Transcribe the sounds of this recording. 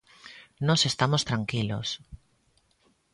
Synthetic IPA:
nosest̪amost̪ɾaŋkilo̰s

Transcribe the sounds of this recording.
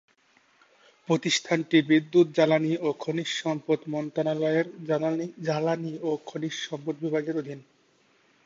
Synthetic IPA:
pɾot̪iʃt̪ʰanʈibid̪ːut̪̚d͡ʑalaniokʰoniʃʃɔmpot̪mɔnt̪analɔeɾaaid͡ʑalaniokʰoniʃʃɔmpod̪̚bibʱaɡeɾod̪ʱin

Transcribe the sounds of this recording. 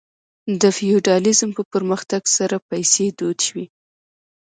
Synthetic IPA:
d̪əfiuɖɑlɪzmpəpəɾməxt̪aɡsaɾapajsed̪od̪ʃwi

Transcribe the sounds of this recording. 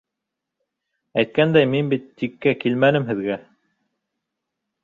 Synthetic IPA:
æjt̪̚kænd̪æjminbit̪ːikːækilmænɘmɦɘ̆ðɡæ

